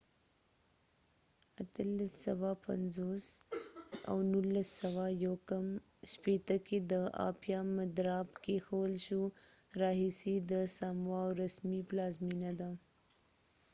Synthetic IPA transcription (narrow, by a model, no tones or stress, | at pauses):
at̪əlasawapa̰nzos | a̰wnulːasːawajawkam | ʃpet̪əked̪əɑ̰pjɑmad̪ɾɑbkexawəlʃuɾɑɦisid̪əsamwawɾasmiplɑzminad̪a